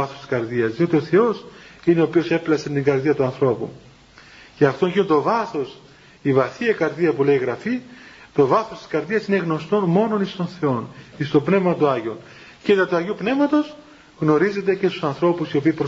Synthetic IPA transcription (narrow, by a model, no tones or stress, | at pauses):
ɐθost̪i̥skɐɾðiɐzðio̞t̪io̞θe̞o̞sine̞opio̞se̞plɐsent̪iŋɡɐɾðiɐt̪uɐnθɾo̞pṵ | ceɐft̪o̞ʝinot̪ovɐθo̞s | ivɐθiɐkɐɾðiɐpule̞iɣɾɐfit̪o̞vɐθost̪i̥skɐɾðiɐsine̞ɣno̞st̪o̞nmo̞no̞nist̪o̞nθe̞o̞nist̪o̞pne̞vmɐt̪oɐʝio̞n | cet̪ɐt̪uɐʝiupne̞vmɐt̪o̞s | ɣno̞ɾize̞t̪̬e̞ce̞st̪u̥sɐnθɾo̞pusiopiːpɾo